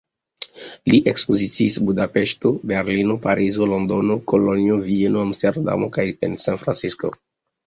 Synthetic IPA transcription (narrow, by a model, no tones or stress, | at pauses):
liʔekspozisiːsbudape̞ʃtobe̞ɾlinopaɾʔizolondonokoloniovienoamsteɾda̰mokajḛnsanfɾa̰nsisko̰